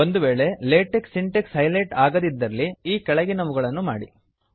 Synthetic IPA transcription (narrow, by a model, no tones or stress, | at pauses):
ond̪uʋe̞ːɭe̞leːʈeksiɳʈekshɐjleʈaːɡɐd̪id̪ːɐlːiiːkɛɭɐɡinɐmuɡɐɭɐnːuma̰ːɽḭ